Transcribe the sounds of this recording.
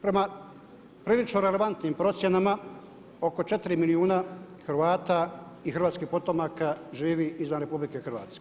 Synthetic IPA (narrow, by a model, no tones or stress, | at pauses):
pɾe̞ma | pɾiːlit͡ʃnoɾele̞ʋant̪nimpɾo̞t̪sjenama | o̞ko̞t͡ʃet̪iɾimiliuːna | xɾʋaːt̪a | ixɾrʋaːt̪skihpot̪o̞makaʒiːʋiʔizʋanɾe̞publikexr̩ʋa̰ːt̪ske